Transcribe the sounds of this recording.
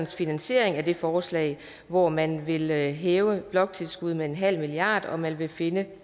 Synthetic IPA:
nsfinænsɕe̝ɐ̰eŋæd̥e̝fɒːslɛ̰ɪ | ʋɒmænʋe̝lɦeːʊəb̥lɒ̽ɡ̥̚t͡sʰe̝lsɡ̥uð̞ˠmee̝nɦæl̰miliɑ̰̈ːd̥ɒ̽mænʋe̝fe̝nə

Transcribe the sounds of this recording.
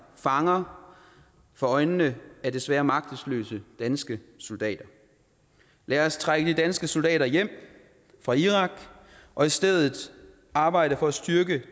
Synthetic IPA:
fɑ̈ŋɐ | fɒ̽ɒ̽ɪnnəæɐd̥e̝sʋæːɐmɑ̈ɡ̥̚d̥ð̩ˠslø̰ːsəd̥ænsɡ̥əso̝ld̥ɛ̰ːd̥ɐ | læːɐst͡sʰʁaɡ̥əd̥id̥ænsɡ̥əso̝ld̥ɛ̰ːɾɐjem̰ | fʁɑ̈iʁɑ̈ɡ̥ | ʔɒ̽isd̥eð̰ˠð̩ˠ | ɑ̈ːb̥ɑ̈ɪ̰ɾəfɒ̽æsd̥yɐɡ̥ə

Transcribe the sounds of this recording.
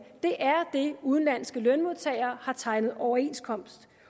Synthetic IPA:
d̥e̝ʔæɐd̥e̝uð̞ˠn̩læn̰sɡ̥əlœnmo̝ðˠt͡sʰɛ̰ːɪɐːhɑ̈t͡sʰɑ̈ɪnəð̞̩ˠɒʊɐe̝̰nskʰɒ̽m̰sd̥

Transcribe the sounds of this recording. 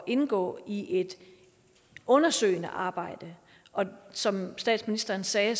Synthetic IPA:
ʔe̝nɡ̥ɔ̰̽ːiʔe̝d̥ | ɔ̽nɐsø̰ɪnəʔɑ̈ːb̥ɑ̈ɪ̰d̥ə | ʔɒ̽sɒ̽msd̥ɛ̰ːd̥sminisd̥ɐːnsɛː

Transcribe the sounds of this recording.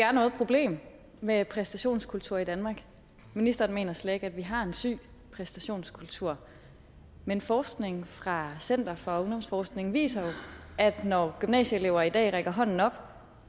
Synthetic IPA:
d̥e̝̥æɐnɔ̽ːð̞̩ˠpʰʁo̝b̥le̝̰ːm | mepʰʁɛsd̥æɕo̝̰ːnskʰult͡sʰuɐ̰id̥ænmɑ̈ːɡ̥ | minisd̥ɐːnme̝ːnɐslɛde̝ɡ̥æd̥ʋiɦɑ̈e̝nsy̰ː | pʰʁɛsd̥æɕo̝̰ːnskʰult͡sʰuɐ̰ | menfɒːsɡ̥ne̝ŋfʁɑ̈sen̰d̥ɐfɒ̽o̽ŋd̥ɒ̽msfɒːsɡ̥ne̝ŋn̩ʋḭːsɐjo̝æd̥nɒɡ̥ymnɛ̰ːɕəele̝ʊɐid̥ɛ̰ːʁeɡ̥ɐɦɒ̽n̰n̩ɒ̽b̥

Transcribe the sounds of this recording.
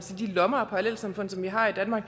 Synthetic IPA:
sid̥ilɒmɐːpʰɒalel̰sɑ̈mfɔ̽n̰sɒ̽mʋiɦɑ̈id̥ænmɑ̈ːɡ̥

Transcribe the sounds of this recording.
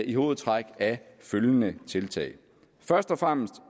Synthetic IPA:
ʔiho̝ːð̩ˠt͡sʰʁaɡ̥æføljənət͡sʰe̝lt͡sʰɛ̰ɪ | fɶɐsd̥ɒ̽fʁam̰sd̥

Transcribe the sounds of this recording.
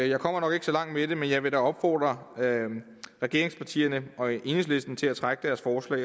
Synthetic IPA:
jɑ̈ɪkʰɒ̽m̰ɐnɒ̽ɡ̥e̝ɡ̥əsɒ̽lɑ̈ŋ̰d̥mede̝menjɑ̈ɪʋe̝ɾæɒ̽b̥fɒ̰ːd̥ʁɐ | ʁɛɡ̥e̝ɐeŋspʰɑ̈t͡sʰḭːɐnəʔɒ̽ʔe̝nesle̝sd̥n̩t͡sʰe̝læt͡sʰʁaɡ̥əd̥æɐsfɒːslɛ̰ː

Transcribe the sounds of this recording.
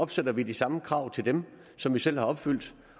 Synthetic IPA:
ɒ̽b̥sed̥ɐʋid̥isɑ̈məkʰʁɑ̈ʊ̰t͡sʰe̝ld̥em | sɒ̽mʋisel̰hɑ̈ɒ̽b̥fyl̰d̥

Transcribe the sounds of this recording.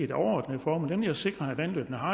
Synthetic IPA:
ed̥ɒʊɐɒ̰ːd̥nəifɒːmːld̥enmʋeljæse̝ɡ̥ʁɐæʋænlø̰ːb̥nəɦɑ̈

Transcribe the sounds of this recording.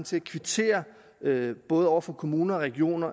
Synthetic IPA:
n̩t͡sʰe̝lækʰʋit͡sʰe̝̰ːɐ | b̥ɔ̽ːð̞̩ˠɒ̰ʊ̰ɐfɒ̽kʰo̝muːnɐɒʁɛɡ̥io̝̰ːnɐ

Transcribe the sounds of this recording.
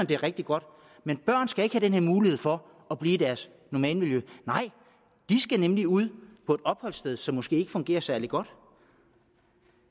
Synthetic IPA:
nd̥e̝ɐʁeɡ̥̚d̥iɡ̥ɒ̽d̥ | menb̥ɶɐ̰n̩sɡ̥æe̝ɡ̥hæd̥enheɐmuːlihe̝ð̞̰ˠfɒ̽ | ɒb̥liːid̥æɐs | nɒmɛ̰ːlmiljønɑ̈ɪ̰ | d̥isɡ̥ænemliuð̰ˠpʰɒ̽e̝d̥ɒ̽b̥hɒ̽l̰sd̥eð̞ˠsɒ̽mːɔ̽sɡ̥e̝̰ːe̝ɡ̥ə̥fɔ̽ŋɡe̝̰ːɐsæɐliɡ̥ɒ̽d̥

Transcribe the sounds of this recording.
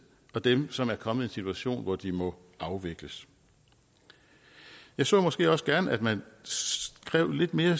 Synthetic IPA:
ɒ̽d̥emsɒ̽mæɐkʰɒ̽məð̩ˠe̝nsit͡sʰuæɕo̝̰ːnʋɒd̥imɒ̽ | ɑ̈ʊʋe̝ɡ̥ləs | jɑ̈ɪsɔ̰ːmɒ̽sɡ̥e̝̰ːɒ̽səɡ̥æɐnæd̥mænsɡ̥ʁɛʊ̰le̝d̥me̝ːɐ

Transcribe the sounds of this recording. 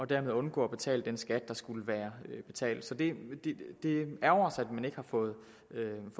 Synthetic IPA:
ɒ̽d̥æɐme̝ð̞ˠɔ̽nɡ̥ɔ̰ːɒb̥e̝t͡sʰɛ̰ːldd̥ensɡ̥æd̥̚ːɑ̈sɡ̥uləʋæːɐøb̥e̝t͡sʰɛ̰ːld̥sɒ̽d̥e̝d̥e̝d̥e̝æɐɒʊsæd̥mæne̝ɡ̥əhɑ̈fɔ̽ːð̞̩ˠ | øf

